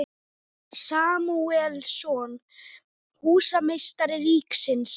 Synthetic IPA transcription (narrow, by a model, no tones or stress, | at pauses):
saːmuɛlsɔːn | huːsamejst̪aɾɪriːksɪns